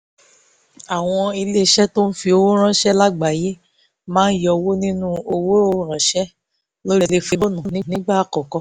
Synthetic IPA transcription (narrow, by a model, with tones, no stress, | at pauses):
a˨w̃ɔ̃˧i˧le˦˧ʃɛ˦to˦n̩˦fi˧o˧wo˦ɾ̃ã˦ʃɛ˦la˦ɡ͡ba˨je˦ | mãː˦n̩˦jɔ˧wo˦nĩ˦nũ˦o˧wo˦o˦ɾ̃ã˨ʃɛ˦ | lo˦ɾi˧le˧fi˧lo˦nũ˨˦˨nĩ˨nĩ˨˦ɡ͡ba˦˨kɔ˨kɔ˧